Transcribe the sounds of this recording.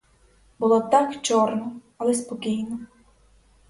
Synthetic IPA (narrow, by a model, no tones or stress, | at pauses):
bʊlˠɔt̪akt͡ʃɔrnɔɐlɛspɔkʲijnɔ